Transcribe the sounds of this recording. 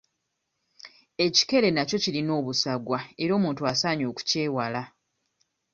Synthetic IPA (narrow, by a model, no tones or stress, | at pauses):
e̞ci̥ke̞le̞naco̞cilino̞ːβusaɡwaeɾo̞ːmuːntuasaːɲo̞ːku̥ce̞ːwala